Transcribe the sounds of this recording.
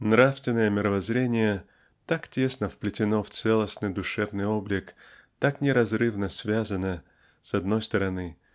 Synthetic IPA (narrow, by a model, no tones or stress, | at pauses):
nɾafst̪vʲɪnːəjəmʲɪɾəvɐzɾʲenʲɪjə | t̪aktʲe̞snəfplʲɪtʲɪno̞ft̪sɛlˠəsnɨjd̪ʊʂɛvnɨjo̞blʲɪk | t̪aknʲɪɾɐzrɨvnəsvʲazənə | sɐd̪no̞jst̪əɾɐnɨ